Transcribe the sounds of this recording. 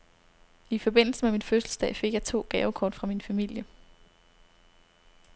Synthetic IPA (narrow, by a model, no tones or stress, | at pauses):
ifɒ̽b̥e̝n̰l̩səmeminføsl̩sd̥ɛ̰ɪfe̝ɡ̥jɑ̈ɪt͡sʰo̝̰ːɡ̥ɛːʊkʰɒ̰ːd̥fʁɑ̈minfæmil̰jə